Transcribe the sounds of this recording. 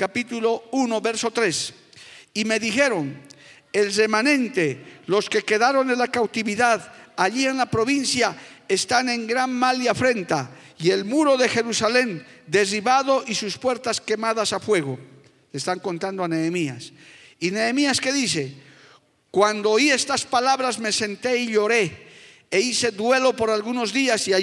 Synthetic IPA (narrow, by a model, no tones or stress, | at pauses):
kapit̪ulo̞uno̞βe̞ɾso̞t̪ɾe̞s | ime̞ðixe̞ɾo̞n | elre̞manẽ̞nt̪e̞lo̞ske̞ke̞ðaɾo̞nelakawt̪iβiðaðaʎie̞nlapɾo̞βinsjae̞st̪ane̞ŋɡɾanmaljafɾe̞nt̪a | ie̞lmuɾo̞ðe̞xe̞ɾusale̞nd̪e̞riβaðo̞ʔisuspwe̞ɾt̪aske̞maðasafwe̞ɣ̞o̞ | lest̪aŋko̞nt̪and̪oaneːmias | ine̞ːmiaske̞ðise̞ | kwand̪oie̞st̪aspalaβɾazme̞se̞nt̪e̞iʎo̞ɾe̞ː | ise̞ðwe̞lo̞po̞ɾalɣuno̞zðiasia